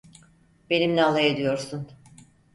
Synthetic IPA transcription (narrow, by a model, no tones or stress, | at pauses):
be̞nimnʲɛalˠajed̪ijo̞ɾsun